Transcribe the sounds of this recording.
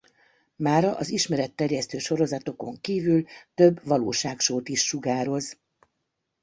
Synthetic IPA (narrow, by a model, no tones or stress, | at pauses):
maːɾɒʔɒziʃmɛɾɛt̪ːɛrjɛst̪øːʃo̞ɾo̞zɒt̪o̞ko̞ŋkiːvylt̪ø̞bːʋɒloːʃaːkʃoːt̪iʃːuɡaːɾo̞z